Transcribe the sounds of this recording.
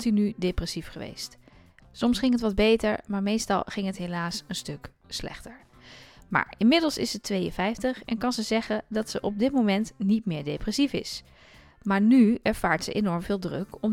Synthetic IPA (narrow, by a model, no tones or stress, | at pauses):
tinydeprɛsifχəʋḛjst | sɔmsχɪŋɦətʋɑd̚bejtəɹmaːɹmejstɑ̰lˠχɪŋɦətɦelaːsənstɵk | slɛ̰χtəɹ | ma̰ːɹɪnmɪdəlˠsɪ̰sətʋejə̰nvɛjftəχɛ̰nkɑnzəzɛχədɑtsəʔɔb̚dɪtmowmɛntnitmɪːɹdeprɛsifɪ̰s | maːɹnyɛɹv̥aːɹtsə̰ʔenɔɹmv̥ɪːlˠdrɵkɔm